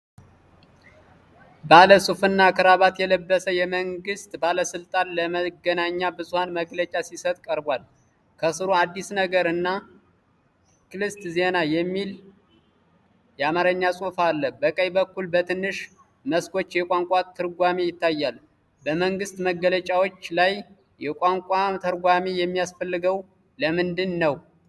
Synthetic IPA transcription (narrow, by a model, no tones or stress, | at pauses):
baləsʼufɨnːakʰɨɾaβat̪jɛləbːəsəjɛməŋɡɨst̪baləsɨlt̪ʼanləməɡənaɲːabɨzuhanməɡlət͡ʃʼasisət̪ʼkʼəɾbwal | kʰəsɨɾoad̪ːisnəɡəɾɨnːa | kɨlɨst̪ze̞najɛmːil | jɛamaɾəɲːasʼofalːəbəkʼəjbəkːulbət̪ʰɨnːɨʃ | məskʰo̞t͡ʃːjɛkʼaŋkʷʼat̪ʰɨɾɡʷamejɪt̪ːajːal | bəməŋɡɨst̪məɡːələt͡ʃʼawo̞t͡ʃːlaj | jɛkʷʼaŋkʷʼamt̪ʰəɾɡʷamijɛmːijasfəlːɨɡəw | ləmɨnd̪ɨnːəw